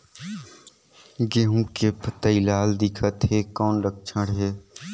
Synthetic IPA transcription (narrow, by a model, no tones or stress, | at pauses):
ɡeːɦũkepət̪əilaːld̪ɪkʰət̪ɦeːkɔːnɾək̚ʰt͡ʃʰəɽɦeː